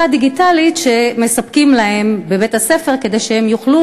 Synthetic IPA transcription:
ad̪iɡitalit̪ʃe̞me̞sɐp̚kimlahe̞mbe̞bethase̞fe̞ʁke̞d̪e̞jʃehemjuχlu

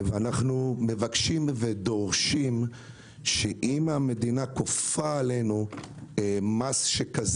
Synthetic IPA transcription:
veanaχnume̞vakʃimved̪o̞ʁʃim | ʃeʔimame̞d̪inakofaːle̞nu | masʃekaz

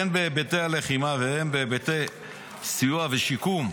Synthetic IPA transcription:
enbebet̪eale̞χimavehembebet̪ej | sijuaveʃikum

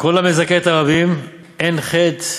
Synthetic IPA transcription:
ko̞lamezaket̪aʁabim | enχet̪

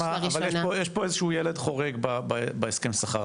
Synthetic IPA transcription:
maavaljepojɛʃpo̞ezeʃuujeledχo̞ʁeɡbababaeskemsaχaʁ

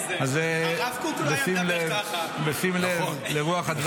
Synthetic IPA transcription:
aze | besimlevbesimlev | leʁuaχad̪v

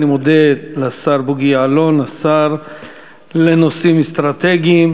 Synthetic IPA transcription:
nimod̪elasaɾbuɡiaalonasaɾ | lenosimest̪ɾat̪eɡiim

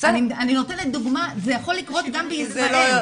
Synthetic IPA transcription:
sanianino̞t̪enet̪̚duɡmazejaχo̞lːikʁo̞t̪ɡambeisʁaloe

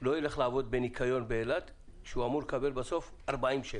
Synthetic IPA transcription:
lo̞jile̞χlaavo̞d̪̚benikʰajo̞nbeelat̪ | ʃeuamuʁlekabe̞lbaso̞f | aʁbaimʃe

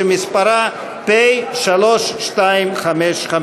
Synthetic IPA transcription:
emispaɾa | pejʃaloʃʃt̪aimχameʃχa

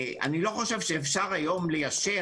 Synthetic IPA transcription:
ʔa̰nilo̞χo̞ʃe̞vʃeːfʃaʁajo̞mlejaʃe

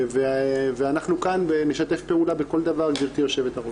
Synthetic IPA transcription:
veveanaχnukanbene̞ʃat̪e̞fpe̞ulabeko̞ld̪avaʁldiʁt̪ijo̞ʃe̞vet̪aʁo

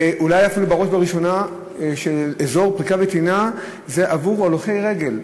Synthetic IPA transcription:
ʔulajafilubaʁo̞ʃbaʁiʃo̞na | ʃelezo̞ʁpʁikavet̪ina | ze̞ʔavuʁaloχe̞jʁe̞ɡe̞l

